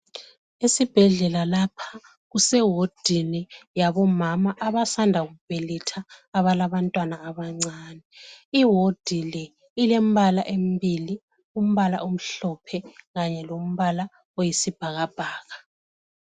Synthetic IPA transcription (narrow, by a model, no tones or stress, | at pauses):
esib̥ʱɛɮɛlalapʰḁ | ɣusɛwod̥ʱinijaβɔmamaʔaβasandʱaɣub̥ʱelitʰaːβalaβantʼwanaːβaŋ͡ǀaːnɛiɦod̥ʱilɛ | ilem̩βalaʔem̩bili | um̩βala̰ʔum̩ɬɔpʰɛɣaɲɛlom̩βala | ojisib̥ʱaɣab̥ʱaːɣa